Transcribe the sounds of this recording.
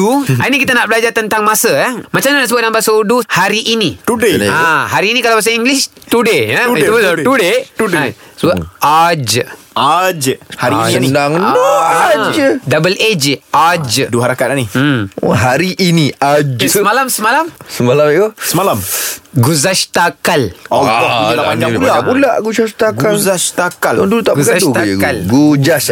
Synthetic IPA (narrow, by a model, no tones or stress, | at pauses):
uainikit̪anaʔbəlad͡ʒat̪ənt̪aŋmasəamat͡ʃamɲanaʔsəbʊt̪̚nambasouduhaɾiʔːnit̪udeaɦaɾiːnikalawpas̬aiŋɡlis | t̪udeət̪ut̪udet̪ud | səbad͡ʒ | ad͡ʒhaɾidaŋɔd͡ʒdabəled͡ʒʔad͡ʒduaɦaɾakat̪ani | ɦaɾiʔiniad͡ʒmalamsəmalamsəmalamiɡosəmalamɡuzaʃt̪akalɔɡatapaɲd͡ʒapulaʔpulaʔɡusaʃt̪aɡauzaʃt̪akalɔndulut̪aʔɡuzaʃt̪kalɡud͡ʒaʃ